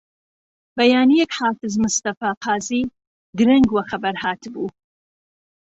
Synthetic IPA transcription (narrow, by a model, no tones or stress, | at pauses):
bɐjaːnijɛkħaːfɨzmʊst̪ɐfaːqʰɑːziː | d̪ɨɾɐŋɡwɐxɐbɐɾhaːt̪ʰɨbuː